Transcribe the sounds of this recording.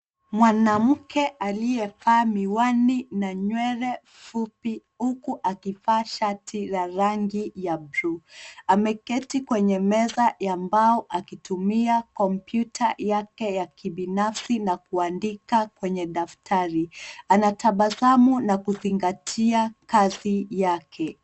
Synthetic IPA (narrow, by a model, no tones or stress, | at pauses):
mwanam̩kɛʔaliɛpaːmiwaninaɲwɛɾɛ | fupihukuʔakipaːʃatʰilaɾaŋɡijabɾuamɛkɛtikwɛɲɛmɛzajambaɔʔakitumiakɔmpjutʰajakɛjakiɓinafsinakuandikakwɛɲɛɗaftʰaɾianataɓazamunakuziŋɡatʰiakazijakʰɛ